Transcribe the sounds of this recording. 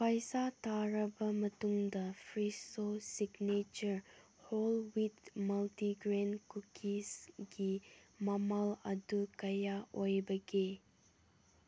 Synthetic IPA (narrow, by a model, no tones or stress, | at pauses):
pajsatʰaɾɐbɐmɐtuŋdɐpʰɾisosiɡnet͡ʃɐɾ | holwitmɐltiɡɾenkukʰisɡimɐmalɐdukɐjaʔojbɐɡe